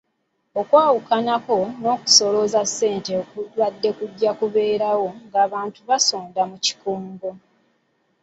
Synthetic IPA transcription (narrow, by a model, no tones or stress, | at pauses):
okwaːwukanako̞no̞ːku̥so̞lo̞zasːe̞ːnte̞okuwadːe̞kuɟːakuβe̞ːɾawo̞ŋɡaːβaːntuβasoːndamuci̥kuːŋɡo